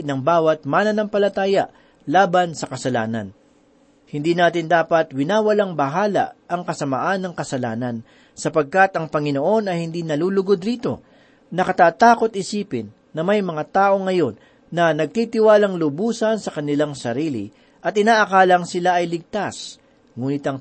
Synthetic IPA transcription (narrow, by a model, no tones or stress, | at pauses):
nɐŋbaːwɐt̪̚maːnɐnɐŋpɐlɐt̪aːjɐʔ | laːbɐnsɐkɐsɐla̰ːnɐ̰n | hɪnd̪iːnaːt̪ɪnd̪aːpɐt̪wɪnaːwɐlaŋbɐɦaːlɐ̰ʔʔɐŋkɐsɐma̰ʔanːɐŋkɐsɐlaːnɐn | sɐpɐɡ̚kat̪ɐŋpɐŋɪno̞ʔo̞nɐjhɪnd̪iːnɐluːlʊɡod̪ɾiːt̪o̞̰ | nɐkɐt̪aːt̪aːko̞t̪̚ʔɪsiːpɪnːɐmɐjmɐŋat̪aːʔo̞ŋːɐjo̞nː | ɐnɐɡ̚t̪it̪ɪwaːlɐŋlʊbuːsɐnsɐkɐnɪlaŋsɐɾiːlɪ̰ | ʔɐt̪ɪnaːʔɐkaːlɐŋsɪlaʔɐjlɪɡ̚t̪as | ŋuːnɪt̪ɐŋ